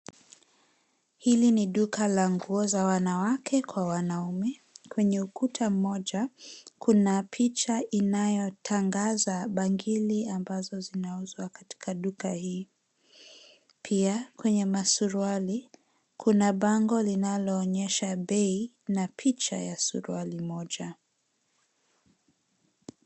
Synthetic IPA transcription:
hiliniɗukalaŋɡuɔzawanawakʰɛkwawanaumɛkwɛɲɛukutʰam̩ːɔʄakʰunapʰit͡ʃaʔinajɔtʰaŋɡazaɓaŋɡiliambazɔzinauzwakati̥kʰaɗukahiː | pʰiakwɛɲɛmasuɾuali | kʰunaɓaŋɡɔlinalɔːɲɛʃaɓɛi | napʰit͡ʃa̰jasṵɾṵalimɔʄa

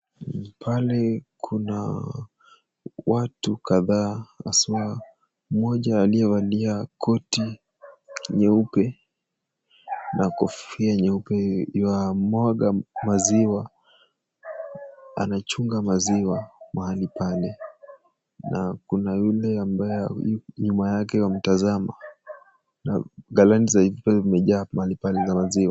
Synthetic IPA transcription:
pʰalɛkʰuna | watukaðaa̰siwa | mɔʄaːliɛvaliakʰɔti | ɲɛupɛ | nʔakɔfiaɲɛupɛiwamɔɠamaziwa | a̰nat͡ʃuŋɡamaziwamahalipalɛ | nakunajulɛambajɛaɲumajakɛwam̩tazama | na̰ɡalantizahivipɛimɛʄaːmahalipalɛzamaziwa

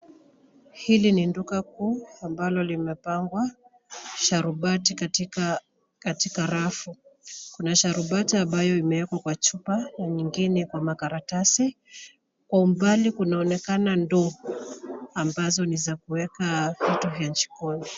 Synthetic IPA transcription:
hilinindukakuːambalɔlimɛpaŋɡwa | ʃaɾuɓati | katikaɾafukunaʃaɾuɓatiambajɔimɛwɛkwakwat͡ʃupanaɲiŋɡinɛkwamakaɾatasi | kwaum̩balikunaɔnɛkanandɔhɔambazɔnizakuwɛkahitɔɦaɲt͡ʃi̥kɔni

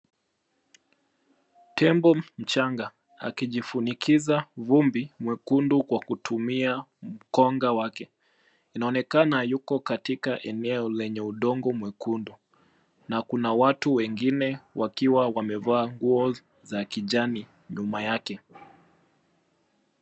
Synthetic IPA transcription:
tʰɛmbɔm̩t͡ʃaŋɡa | a̰kiʄifunikizavumbimwɛkundukwakutʰumiam̩kɔŋɡawakɛ | inaɔnɛkanajukɔkatikaʔɛnɛɔlɛɲɛuɗɔŋɡɔmwɛkundu | nakunawatuwɛŋɡinɛwakiwawamɛvaːŋɡuɔ | zakiʄani | ɲumajakɛ

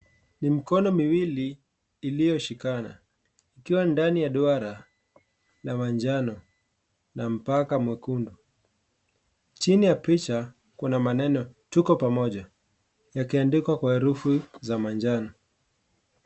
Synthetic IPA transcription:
nimikɔnɔmiwiliː | lijɔʃikana̰ | ikiwandanijaɗɔaɾa | lamand͡ʒanɔ | nam̩pakamwɛkundu | t͡ʃinijapit͡ʃa | kunamanɛnɔtukɔpamɔʄa | jakiandikwakwahɛɾufuzamand͡ʒanɔ

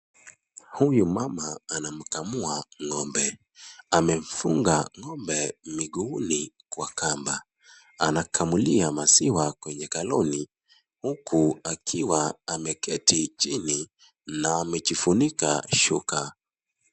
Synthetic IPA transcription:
hujumamaːnam̩kamuaŋɔmbɛ | amɛm̩fuŋɡaŋɔmbɛmiɠuːni | kwakamba | anakʰamuliamasiwakwɛɲɛkalɔni | hukʰuakʰiwaamɛkʰɛtit͡ʃini | naːmɛt͡ʃifunika̰ʃuka

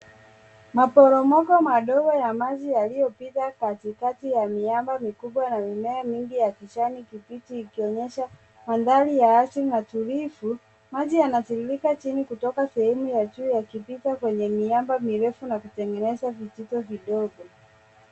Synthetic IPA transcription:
mapɔɾɔmɔkɔmaɗɔɡɔjamaʄijalijɔpitakatikatijamiambamikuɓwanamimɛamiŋɡijakiʃanikipitiːkiɔɲɛʃa | manðalijaasiɾinatuɾifu | maʄijanatiɾilikat͡ʃinikutɔkasɛhɛmujad͡ʒuːjakipitakwɛɲɛmiambamiɾɛfunakutɛŋɡɛnɛzavititɔviɗɔɡɔ

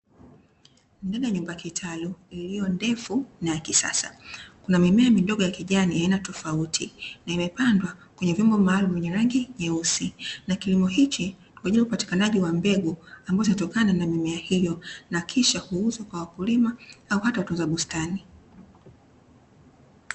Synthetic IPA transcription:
ndaɗajaɲumbakitʰaluilijɔndɛfunajakisa̰sakunamimɛamiɗɔɠɔjakiʄanijainatɔfautʰinaimɛpandwakwɛɲɛvjɔmbɔmaːlumuvɛɲɛɾaŋɡiɲɛusinakilimɔhit͡ʃi | kwaʄilɾaupati̥kanaʄiwambɛɡuambaɔzinatɔkananamimɛahijɔnakʰiʃahuuzwakwawakulimaauhatawatunzaɓustani

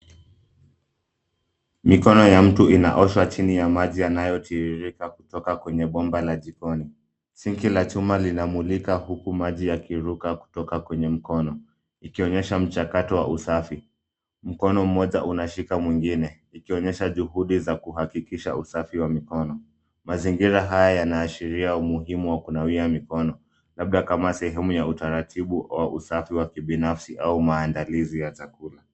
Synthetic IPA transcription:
mikɔnɔjam̩tuina̰ʔɔʃwat͡ʃinijamaʄijanajɔtʰiiɾikaku̥tɔkakwɛɲɛɓɔmbalaʄikɔni | siŋkilat͡ʃumalinamulikahukumaʄijakiɾukaku̥tɔkakwɛɲɛm̩kɔnɔ | ikiɔɲɛʃam̩t͡ʃakatɔwa̰ʔusafi | m̩kɔnɔm̩ɔʄaʔunaʃikamwiŋɡinɛ | ikiɔɲɛʃaʄuɦuɗizakuɦakikiʃa̰usafiwamikɔnɔ | maziŋɡiɾaɦajajanaːʃiɾiaumuɦimuwakunawiamikɔnɔ | laɓ̚ɗakamasɛɦɛmujautaɾatʰiɓuwaʔusafiwakiɓinafsiʔaumaːndalizijat͡ʃakula

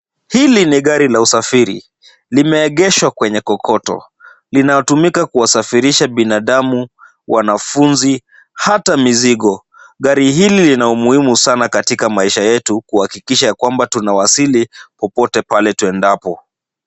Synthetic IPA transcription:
hiliniɠaɾilausafiɾḭ | limɛːɠɛʃwakwɛɲɛkɔkʰɔtɔ̰ | linajɔtumikakuwasafiɾiʃaɓinaɗamu | wʔanafunzi | hatamiziɠɔ | ɠaɾiɦililinaumuhimusanakatikamaiʃajɛtukuhakikiʃajakwambatunawasilipɔpɔtɛpalɛtuɛndapɔ

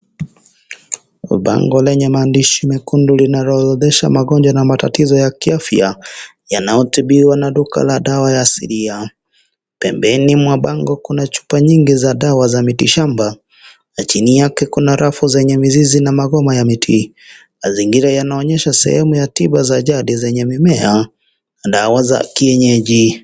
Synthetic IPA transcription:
ɓa̰ŋɡɔlɛɲɛmaːndiʃimikundulinaɾɔðɛʃa̰maɡɔɲd͡ʒwanamata̰tizɔjakiafja̰ | janajɔtiɓiwanaɗuka̰laɗawajaːsḭɾia | pɛmbɛnimwaɓaŋɡɔkunat͡ʃu̥paɲiŋɡizaɗawazamitiʃamba | nat͡ʃinijakɛkunaɾafuzɛɲɛmizizinamaɡɔmajamitʰi | maziŋɡiɾajanaɔɲɛʃasɛ̰hɛmujatiɓazaʄaɗizɛɲɛmimɛa | ɗawaza̰kiɛɲɛʄi

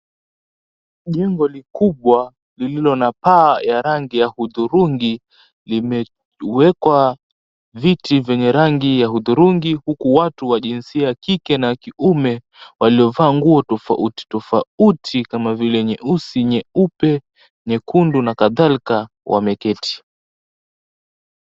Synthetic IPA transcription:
ʄɛŋɡɔlikuɓwa | lililɔnapaːjaɾaŋɡijahuðuɾuŋɡi | limɛ | wɛkwa | vitivjɛɲɛɾaŋɡijahuðuɾuŋɡihukuwatuwaʄinsiakikɛnakiʔumɛ | waliɔvaːŋɡuɔtɔfa̰ʔuti̥tɔfautʰikamavilɛɲɛʔusiɲɛupɛ | ɲɛkundunakaðalika | wʔa̰mɛkɛtʰi̥

